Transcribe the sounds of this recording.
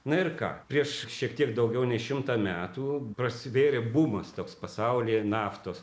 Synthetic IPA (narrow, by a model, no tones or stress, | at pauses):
nʊɪrkɑ̰ːpʲɾʲiɛʃʃʲiɛkt̪ʲiɛkd̪ɐʊɡʲɛʊnʲɛɪʃʲɪmt̪ɐːmʲæːt̪uːprɐsʲɪʋʲeːɾʲebumɐst̪oːkspɐsɐʊlʲiːnɑːft̪oːs